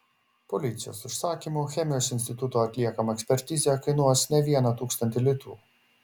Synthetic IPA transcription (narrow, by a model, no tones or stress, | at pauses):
pɔlʲɪt̪sʲɪjo̰ːsɪʃsɑːkʲimuxʲɛmʲɪjoːsɪnsʲt̪ʲɪt̪ʊt̪oːɐt̪ʲlʲiɛkɐmɐɛksʲpʲɛɾʲt̪ʲɪzʲɛkɐɪnuɔsnʲɛʋʲiɛnɐt̪uːkst̪ɐnʲt̪ʲɪlʲɪt̪ṵː